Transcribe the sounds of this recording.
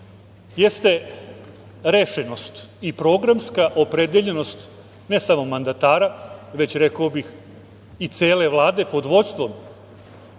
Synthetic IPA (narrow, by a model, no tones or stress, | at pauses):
je̞st̪e̞ | ɾeʃeno̞st̪ | ipɾo̞ɡɾamskaʔo̞pɾe̞d̪eʎe̞no̞st̪ | ne̞samo̞mand̪at̪aːɾaʋe̞t͡ɕɾe̞kaobix | it̪seːle̞ʋlˠaːd̪e̞po̞d̪ʋo̞t̪st̪ʋo̞m